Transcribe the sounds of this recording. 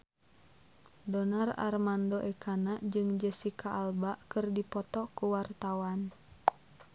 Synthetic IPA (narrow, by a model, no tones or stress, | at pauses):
dɔnara̰rmandoʔɛkʰanaʔd͡ʒɨŋd͡ʒɛsikaʔalbaʔkɨrdipɔt̪ɔkuwart̪awan